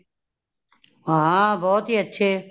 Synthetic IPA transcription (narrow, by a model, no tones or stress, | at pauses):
ɦabɔːt̪ɦiːətːʃʰe